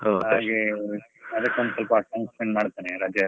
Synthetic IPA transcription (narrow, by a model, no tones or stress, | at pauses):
ɦoaːɡe | ɐd̪ɐkːeond̪usɐlpɐːʈawnsmeɳɖmaːɽt̪aːneɾaːd͡ʒjɐ